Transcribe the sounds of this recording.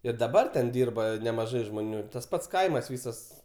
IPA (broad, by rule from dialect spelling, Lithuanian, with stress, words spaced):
ɪr dɐˈbɐr tʲɛn ˈdʲiːrbɐ nʲɛmɐˈʒɐɪ ʒmoːˈnʲuː ɪr tɐs ˈpɐts ˈkɐɪmɐs ˈʋʲiːsɐs